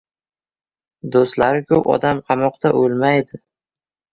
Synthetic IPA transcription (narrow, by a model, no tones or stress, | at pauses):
d̪ost̪laɾɪkʰɵpɒ̰d̪amqʰɑmɒqt̪aʔolˠmajd̪ɪ